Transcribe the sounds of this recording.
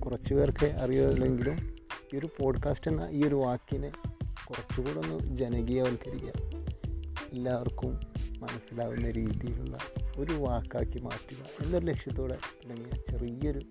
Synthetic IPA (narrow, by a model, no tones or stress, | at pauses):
kurɐt͡ɕːupeːrkeʔɐrijolːe̞ŋɡilumio̞ɾupo̞ːɖkaːsʈenːɐ̰ʔiːo̞ɾuʋaːkːinɨkurɐt͡ɕːukuːɽo̞nːud͡ʑenɐɡijaːʋɐlkɐɾikʲːɐ̰ | elːaːʋɐrkumːɐnɐsːilaːɣunːɐɾiːðijilṵɭːɐ̰o̞ɾuʋaːkːaːkːima̰ːʈːuɣɐ̰e̞nːoɾule̞kʂjɐt̪ːo̞ːɽet̪iɽɐŋːijɐt͡ɕe̞rijɐo̞ɾu